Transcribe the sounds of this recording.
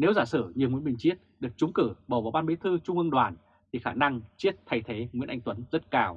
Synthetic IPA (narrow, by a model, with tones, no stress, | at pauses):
ne˨˦wzaː˧˩sɨ˧˩ɲi˨əŋwi˨˦ənmï˨˩ŋt͡ɕi˦˥ət̚ɗɨ˨˩ək̚t͡ɕʊ˨˦ŋ͡mkɨ˧˩ɓoː˧˩vaː˨˩wɓaː˧nɓi˨˦t̪ʰɨ˧t͡ɕʊ˧ŋ͡mʔɨ˧ɗwaː˧˩n | t̪ʰi˨˩xaː˧˩na˧ŋt͡ɕi˦˥ət̚t̪ʰa˨˧jt̪ʰe˨˦ŋwi˧˥ənʔa̰˧jŋ̟t̪wə˨˦nzə˦˥t̚kaː˧˩w